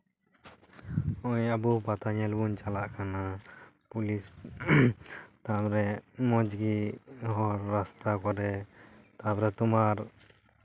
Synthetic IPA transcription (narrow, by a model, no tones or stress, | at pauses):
ɔjabupat̪aɲɛlbunt͡ʃalaʔkʰana | pulis | t̪abɾɛmɔd͡ʒɡiɦɔɾːast̪akɔɾɛt̪abɾɛt̪umaɾ